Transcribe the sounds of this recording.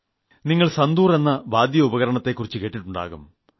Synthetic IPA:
niŋːɐɭsɐnd̪uːre̞nːɐbaːd̪ʱjɐubɐɣɐɾɐɳɐt̪ːe̞kːurit͡ɕːɨke̞ːʈːiʈːuɳɖa̰ːɣum

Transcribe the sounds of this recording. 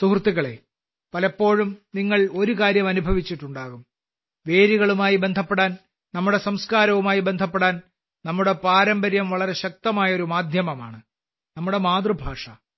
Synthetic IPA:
suhrt̪ːiɣɐɭe̞̰ | pɐlɐpːo̞ːɻumniŋːɐɭo̞ɾukaːɾjɐmɐnubʱɐʋit͡ɕːiʈːuɳɖaːɣum | ʋe̞ːɾiɣɐɭumaːjibe̞nd̪ʱɐpːeɽaːn | nɐmːuɽe̞sɐmskaːɾɐʋumaːjibend̪ʱɐpːeɽaːn | nɐmːuɽe̞paːɾɐmbɐɾjɐmʋɐɭɐɾe̞ɕɐk̚t̪ɐmaːjɐo̞ɾumaːd̪ʱjɐmɐmaːɳɨ | nɐmːuɽe̞maːd̪rɨbʱaːʂɐ

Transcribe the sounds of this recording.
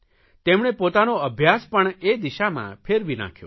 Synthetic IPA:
t̪emɽ̃epot̪anoəbʱjaspəɳed̪iʃamã̰pʰeɾbʱinã̰kʰjo̰

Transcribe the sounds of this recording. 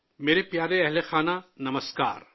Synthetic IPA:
meːɾepjaːɾeɛɦlexaːnanɐməska̰ːɾ

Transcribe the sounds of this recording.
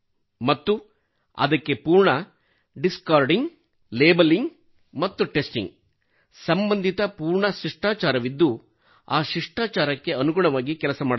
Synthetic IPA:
mɐt̪ːu | ɐ̰d̪ɐkːe̞puːɾɳɐ | ɖiskaːɾɖiŋɡ | leːbɐliŋɡ | mɐt̪ːuʈesʈḭŋɡ | sɐmbɐnd̪ʱit̪ɐpuːɾɳɐʃiʂʈaːt͡ʃaːɾɐʋid̪ːu | aːʃiʂʈaːt͡ʃaːɾɐkːe̞ɐnuɡuɳɐʋaːɡikɛlɐsɐmaːɽɐ

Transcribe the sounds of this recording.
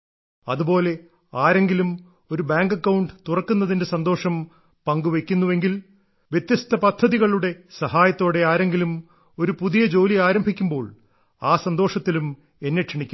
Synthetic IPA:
ɐ̰ðubo̞ːle̞ | aːɾe̞ŋɡilum | o̞ɾubaːŋɡɐkːɐwɳɖɨt̪urɐkːunːɐðinde̞sɐnd̪o̞ːʂɐm | pɐŋɡuʋe̞kʲːunːuʋe̞ŋɡil | ʋjet̪jɐst̪ɐpɐd̪ʱːɐðiɣɐɭuɽe̞sɐhaːjɐt̪ːo̞ːɽe̞aːɾe̞ŋɡilum | o̞ɾupuðijɐd͡ʑo̞ːliaːɾɐmbʱikʲːumbo̞ːɭ | aːsɐnd̪o̞ːʂɐt̪ːilum | enːeʈʂɐɳikʲːum

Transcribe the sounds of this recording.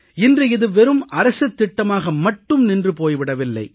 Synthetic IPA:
ɪndrɯɪðɯʋɛɾɯmɐɾɐsɐt̪ːɪʈːɐmaːɣɐmɐʈːɯmnɪndrɯpoːjʋɪɽɐʋɪlːɐ̰ɪ

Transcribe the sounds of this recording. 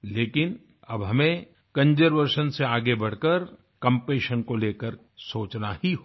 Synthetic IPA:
leːkɪn | ɐbɦɐmẽ | kɐ̃ɲd͡ʒəɾʋəɾʃənseaːɡebɐɽ̤kəɾ | kɐ̃mpeːʃənkoleːkəɾ | soːt͡ʃnahiɦo

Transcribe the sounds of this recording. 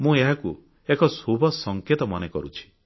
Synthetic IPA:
mũeɦaku | ekɔsubʱɔsɔŋket̪ɔmɔnekɔɾut͡ʃʰi̥

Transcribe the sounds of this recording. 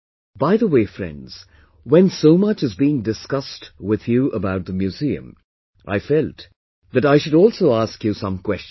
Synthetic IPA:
b̥aɪðəweɪfɹɛ̰̃ndz̥ | wɛ̃nsoʊmʌt͡ʃɨzbiɪ̃ŋdɨskʌstwɪð̥juʔəbaʊt̪̚ðəmjʉziɨ̰̃m | ʔa̰ɪfɛlˠt̪ | ðɨɾaɪʃɨɾɔlˠsoʊaskjɨsʌ̃mkw̥ɛst͡ʃ

